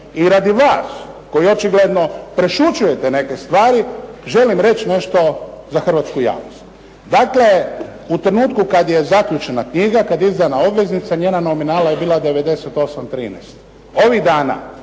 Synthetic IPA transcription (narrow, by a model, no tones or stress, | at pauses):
iɾad̪iʋaːsko̞jio̞t͡ʃiɡle̞d̪no̞pɾe̞ʃut͡ʃuje̞t̪ene̞ke̞st̪ʋaːɾiʒe̞limɾe̞t͡ʃne̞ʃt̪o̞zaxr̩ʋat̪skuja̰ːʋnost̪ | d̪akle̞ | ut̪ɾenuːt̪kukad̪je̞zakʎut͡ʃe̞nakɲiɡakad̪izd̪anao̞bʋe̞znit̪saɲe̞ːnano̞minaːlaje̞biːlad̪e̞ʋed̪e̞set̪o̞samt̪ɾiːnɛ̰st̪ | o̞ʋiɣd̪aːna̰